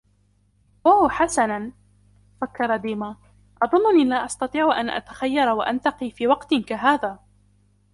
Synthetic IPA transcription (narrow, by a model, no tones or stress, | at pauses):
waħasana | fakːɑɾˤɑd̪iːma | ʔɑðˤʊnːʊniːlaːʔɑst̪ɑt̪ˤiːʕʔa̰nʔa̰t̪ḁxajːɑɾˤwaʔant̪ɑqiːfiːwɑqt̪ɪnkaɦaːðaː